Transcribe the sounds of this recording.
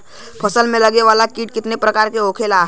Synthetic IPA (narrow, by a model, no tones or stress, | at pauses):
pʰəsəlmẽləɡeʋalakiːʈ̚kɪt̪nepɾəkaːɾkeokʰelaɦ